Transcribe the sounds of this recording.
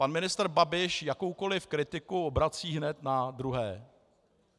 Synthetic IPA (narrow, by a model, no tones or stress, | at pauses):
panmɪnɪst̪ɾ̩babɪʃjako̞wkolɪfkɾɪt̪ɪkuobɾat͡siːɦnɛt̪nadɾuɦɛː